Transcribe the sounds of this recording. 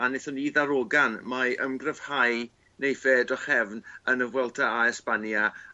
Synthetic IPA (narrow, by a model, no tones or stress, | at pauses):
anɛθɔniðaɾoɡanmaəmɡrɛv̥haj | nejfɛdɔχɛvnənəvwɛlˠtʰaaɛspanja